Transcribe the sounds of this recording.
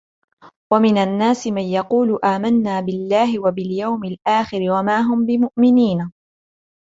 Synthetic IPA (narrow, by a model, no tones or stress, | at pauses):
wamɪnanːaːsɪmanjɑquːlʊʔaːmanːaːbɪlːaːɦɪwabɪljawmɪlʔaːxɪɾɪwamaːɦʊmbɪmʊʔmɪniːna